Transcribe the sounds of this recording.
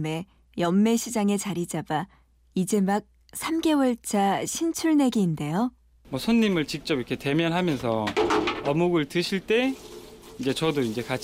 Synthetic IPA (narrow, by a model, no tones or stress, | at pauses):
me̞ | jʌmːe̞ɕʰid͡ʑaŋe̞t͡ɕaɾid͡ʑaba | id͡ʑe̞mak̚ | sʰamɡe̞wʌɭt͡ɕ͈ʰaɕʰint͡ɕʰuɭne̞ɡiːnde̞jo | mwʌsʰoɲːimɯɭt͡ɕik̚t͡ɕ͈ʌbiʌkʰete̞mjʌnɦamjʌnsʰʌʌmuɡɯɭtɯɕʰiɭt͈e̞ | ind͡ʑe̞t͡ɕʌdoind͡ʑe̞ka